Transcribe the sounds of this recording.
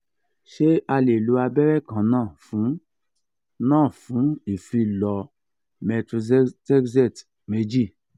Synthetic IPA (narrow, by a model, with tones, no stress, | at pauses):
ʃe˦a˧le˨lu˨˧˦a˧bɛ˦ɾɛ˦˨kã˨˦nãː˦˨fũ˨˦ | nãː˦˨fũ˨˦i˨fi˧˦lɔ˧ | mɛ˧tɾu˧ztɛ˦kzɛ˦˨t | me˧˦d͡ʒi˦˨